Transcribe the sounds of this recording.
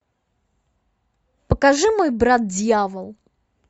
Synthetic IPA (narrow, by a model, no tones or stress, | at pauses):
pəkaʐɨmojbɾat̪̚dʲjavəlˠ